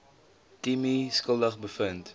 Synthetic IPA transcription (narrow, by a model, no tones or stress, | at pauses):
timiskəlˠdəχbəfənt